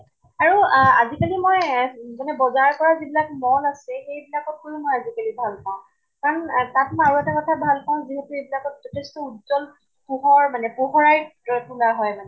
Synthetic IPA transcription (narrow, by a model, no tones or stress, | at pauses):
aɹuazikalimɔjzanɛbɔzaɹkɔɹazibilakmɔnasɛxejbilakɔt̚kojumojazikalibʱalpaʊ̃ | kaɹɔntatmaɹuɛtakɔtʰabʱalpaʊ̃ziɦɛtuebilakɔtzɔtʰestɔudzɔl | puɦɔɹmanɛpuɦɔɹajtulaɦɔjmanɛ